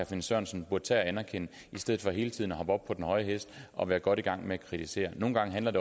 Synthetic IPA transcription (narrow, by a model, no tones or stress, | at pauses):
æfensɶɐ̰nsn̩b̥uɐ̥t͡sʰɛæænæɐkʰen̰ə | isd̥eð̩ˠfɒ̽ɦe̝ːlət͡sʰiðˠnɒɦɒ̽b̥ɒ̽b̥̚pʰɒ̽d̥enhɒ̽ɪəɦesd̥ɒ̽ʋæːɐɡ̥ɒ̽ɾ̥iɡ̥ɑ̈ŋ̰meækʰʁit͡sʰise̝̰ːɐno̝ːn̩ɡ̥ɑ̈ŋəɦændlɐde̝